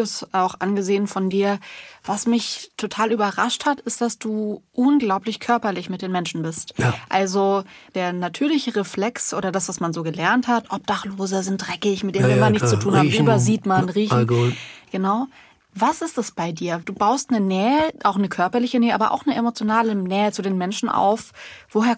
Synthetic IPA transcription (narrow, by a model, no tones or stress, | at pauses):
sʔaʊxʔanɡəzeːənfɔndiːɐvasmɪçtʰotʰaːlyːbɐʁaʃthatɪst̚d̥asd̥uːʔʊnɡlaʊplɪçkʰœɐpɐlɪçmɪt̚d̥eːnmɛnʃn̩bɪstʔalzod̥eːɐnatʰyːɐlɪçəʁeflɛksʔoːɾɐdasv̥asmanzoːɡəlɛɐnthatʔɔp̚d̥aχloːzəzɪnt̚d̥ʁɛkɪçmɪt̚d̥eːnvɪmanɪçtt͡st͡sutʰuːnhaːbm̩ʔyːbɐziːtmanʁiːçn̩ɡ̥ənaʊ | vasɪstɛsb̥aɪdiːɐd̥uːbaʊstnənɛːəʔaʊxnəkʰœɐpɐlɪçənɛːəʔaːbɐ̰ʔa̰ʊxnəʔemot͡sjonaːlənɛːət͡sudeːnmɛnʃn̩ʔa̰ʊfv̥oɦeːɐ